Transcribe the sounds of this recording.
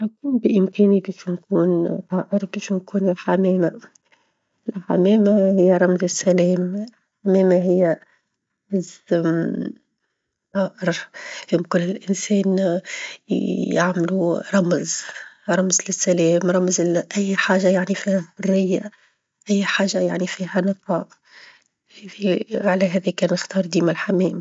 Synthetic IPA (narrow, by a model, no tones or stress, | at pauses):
nakuːmbɪʔɪmkɛːnibɛːʃnkuːnt̪ˤɑːʔɪɾbeːʃnkuːnɪlħamɛːma | ɪlħa̰mɛːmahɪjːaɾˤɑmzɪsːælɛːm | ħamɛːmaɦɪjːa | ɾˤɑmz | t̪ˤɑːʔɪɾfɪmkʊlːɪlʔɪnsɛːn | ja̰ʕmɪluɾˤɑmzɾˤɑmzlɪsːalɛːmɾˤɑmzʔæjːħaːʒajaʕnifiːhhʊrːɪjːa̰ | ʔæjːħaːʒajaʕnifiːhanɨt̪ˤɑːʔ | hɛiʕalæɦæːðikɛːnɪxt̪ɑːɾˤd̪iːmalħamɛːm